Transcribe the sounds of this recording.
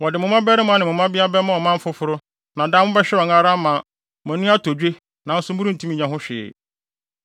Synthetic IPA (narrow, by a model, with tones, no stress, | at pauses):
wɔ˨dɪ˨mʊ̃˨mã˦bɛ˦ɾɪ˦mʊ̃˨˦ã˦nɪ̃˨m˨ʊ̃˨mã˦bɪ˦a˦bɛ˦mã˦ɔ˨mã˦m̩˦fʊ˦fʊ˦ɾʊ˦ | nã˨dã˦mʊ̃˦bɛ˦ɕᶣɛ˦ɔ˨ŋa˦ɾa˦mã˨˦˨ | mɛ̃˨nʊ̃˦a˦tʰo˨d͡ʑᶣe˦ | nã˨n̩˦sʊ˦m̩˦bu˦ɾũ˦n̩˨tʰũ˦m˦ĩ˨ɲã˦ɦʊ̃˦ɕᶣɪ˨ɛ̰˨